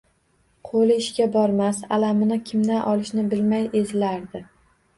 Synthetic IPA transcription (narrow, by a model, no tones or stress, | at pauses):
qʰolɪɪʃkʲabɒɾmasalamɪnɪkʲʰɪmd̪anʔɒlˠɪʃnɪbɪlmajezɪlaɾd̪ɪ